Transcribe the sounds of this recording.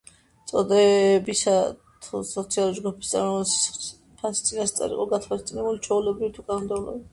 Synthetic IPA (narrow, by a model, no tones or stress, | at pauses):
t̪sʼɔd̪ɛbisat̪ʰusɔt̪sʰialˠuɾid͡ʒɡupʰi̥st̪sʼaɾɔs | pʰasit̪sʼinast̪sʼa̰ɾḭqʼɔɡat̪ʰvalst̪sʼinɛbulit͡ʃʰɔulɛbɾivit̪ʰukʼanɔmd̪ɛulˠɔ̰bi